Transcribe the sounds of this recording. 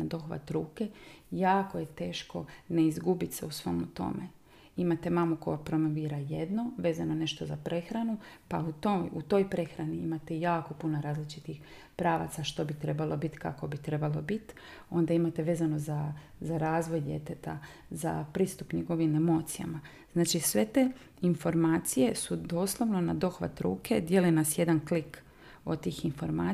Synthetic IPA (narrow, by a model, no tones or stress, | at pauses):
ad̪o̞xʋa̰t̪ɾuːke̞jaːkoje̞t̪e̞ːʃko̞ne̞izɡubit̪seusʋo̞̰mut̪o̞̰me | imat̪e̞mamuko̞japɾo̞mo̞ʋiːɾaje̞d̪no̞ʋe̞ːzano̞ne̞ʃt̪o̞zapɾʔe̞xɾanupaut̪out̪o̞jpɾe̞xɾaniimat̪ejaːko̞punoɾaːzlit͡ʃit̪ix | pɾaːʋa̰t̪saʃt̪o̞bit̪ɾe̞balˠo̞bit̪ka̰ko̞bit̪ɾe̞balˠo̞bit̪ | o̞nd̪aimat̪e̞ʋe̞ːzano̞za | zaɾaːzʋo̞jd̪ʲje̞̰t̪et̪a̰ | za̰pɾiːst̪upɲeɡo̞ʋimemo̞ːt̪sija̰ma | z̥naːt͡ʃisʋe̞t̪e̞ | info̞ɾmaːt̪sije̞sud̪o̞ːslˠoʋno̞nad̪o̞xʋa̰t̪ɾṵːke̞d̪je̞linasje̞d̪anklik | o̞̰t̪iːxinfo̞ɾmaː